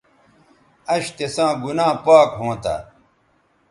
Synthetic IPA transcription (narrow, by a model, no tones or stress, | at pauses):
ɐɕt̪esãːɡunãːpaːkɦõːt̪a̰